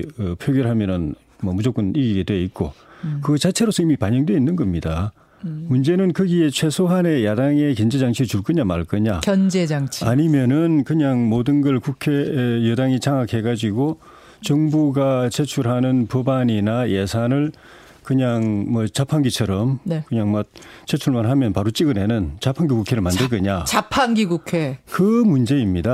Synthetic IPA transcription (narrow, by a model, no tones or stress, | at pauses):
ɯpʰjoɡjʌɾɭɦamjʌnɯn | mʌmud͡ʑok͈ɯniɡiɡe̞dwe̞it̚k͈okɯt͡ɕat͡ɕʰe̞ɾosʰʌimipaɲʌŋdwe̞inːɯnɡʌmɲida | mund͡ʑe̞nɯnkɯɡie̞t͡ɕʰwe̞sʰoɦane̞jadaŋe̞kʌnd͡ʑe̞d͡ʑaŋt͡ɕʰit͡ɕuɭk͈ɯɲamaɭk͈ɯɲakʌnd͡ʑed͡ʑaŋt͡ɕʰaɲimjʌnɯnkɯɲaŋmodɯnɡʌɭkukʰe̞jɯdaŋit͡ɕaŋakʰhe̞ɡad͡ʑiɡo | t͡ɕʌŋbuɡat͡ɕet͡ɕʰuɭɦanɯnpubaɲinajesʰanɯɭ | kɯɲaŋmwʌt͡ɕapʰaŋɡit͡ɕʰʌɾʌmnekɯɲaŋmat̚t͡ɕ͈et͡ɕʰuɭmanɦamjʌnpaɾot͡ɕ͈iɡɯnɦenɯnt͡ɕapʰaŋɡikukʰe̞ɾɯɭmandɯɭk̬͈ɯɲat͡ɕapʰaŋɡiɡukʰekɯmund͡ʑe̞imɲida